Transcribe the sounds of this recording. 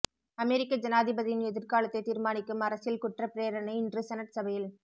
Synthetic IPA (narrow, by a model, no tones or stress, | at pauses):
ɐmɛɾɪkːɐd͡ʒɐnaːðɪbɐðɪjɪnɛðɪɾkaːlɐt̪ːɐɪt̪iːɾmaːnɪkːɯmɐɾɐsɪlkʊʈrɐpːɪɾeːɾɐnɐɪɪndrɯsɐnɐʈsɐbɐjɪl